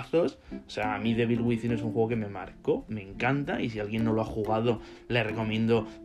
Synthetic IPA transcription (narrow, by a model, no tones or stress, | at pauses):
θososeaamĩðe̞βilɣwiθine̞suŋxweɣo̞keme̞ma̰ɾko̞me̞ŋkant̪aisialɣje̞nːo̞loaxuɣ̞að̞o̞le̞re̞ko̞mjẽ̞nd̪o